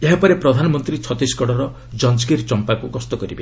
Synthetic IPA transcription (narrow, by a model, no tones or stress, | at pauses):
eɦapɔɾepɾɔd̪ʱanɔmɔnt̪ɾit͡ʃʰɔt̪iskɔɽɔɾɔ | d͡ʒɔnd͡ʒkiɾt͡ʃɔmpakukɔst̪ɔkɔɾibe